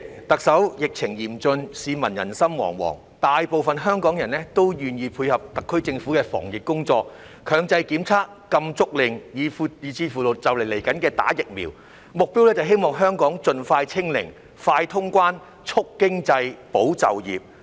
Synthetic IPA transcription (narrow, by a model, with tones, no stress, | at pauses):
t̪ɐ˨k̚sɐ˨˥wjɪ˨k̚t͡sʰɪ˨˩ŋjiː˨˩mt͡sɵ˧nsiː˨˧mɐ˨˩njɐ̰˨˩nsɐ˥mwɔ̰ː˨˩ŋwɔ̰ː˨˩ŋ | t̪aː˨jpo˨wfɐ˨nɦœː˥ŋkɔː˨˥ŋjɐ˨˩nlɛ˥t̪o˥wjyː˨njiː˧pʰuː˧jhɐ˨p̚t̪ɐ˨kʰːɵ˥ɥt͡sɪ˧ŋfuː˨˥kɛː˧fɔ̰ː˨˩ŋjɪ˨kkʊ˥ŋt͡sɔː˧k̚ | kʰœː˨˧ŋt͡sɐ˧jki˨˥mt͡sʰaː˥k̚ːɐ˧mt͡sʊ˥k̚lɪ˨˩ŋjiː˨˧fu˨˧iː˨˧t͡sʰiː˧fuː˨˩lʊ˨˩t̚t͡sɐ˨˩wle˨˩le˨˩jkɐ˨˥nkɛː˧t̪a̰ː˨˥jɪ˨k̚mḭː˨w | mʊ˨k̚pi˥wlɛː˥t͡sɐ˨wɦe˥jmɔː˨ŋɦœː˥ŋkɔː˨˥ŋt͡sɵ˧nfaː˧jt͡sʰɪ˥ŋlɪ̰˨˩ŋ | faː˧jt̪ʰʊ˥ŋkʷwaː˥n | t͡sʰʊ˥kːɪ˥ŋt͡sɐ˧jpo˨˥wt͡sɐ̰˨wjḭː˨p̚